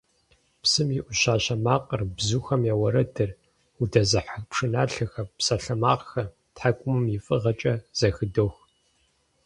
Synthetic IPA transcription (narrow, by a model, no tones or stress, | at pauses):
psɨmiʔʷʊɕaːɕɐmaːqʼɐrbzuːxɐmjawɐɾɐdɨr | udɐzɨħapʂɨnaːɬɨxɐpsɐɬɐmaːqxɐ | tħakʷʼʊmɨmjifʼɨʁɐt͡ʃʼɐz̥ɐxɨdoːx